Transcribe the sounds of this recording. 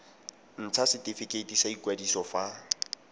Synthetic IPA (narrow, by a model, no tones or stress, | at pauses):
n̩t͡sʰasɪtʼifɪkʼetisaikwadisɔfa